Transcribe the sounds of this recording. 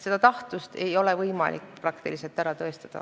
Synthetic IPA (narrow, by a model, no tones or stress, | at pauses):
se̞d̪̥ɑt̪ɑht̪ust̪e̞jo̞le̞vɤjmɑ̰lʔḭkːprɑkt̪iliselt̪ːæɾɑt̪ø̞ːst̪ɑd̪̥ɑ̰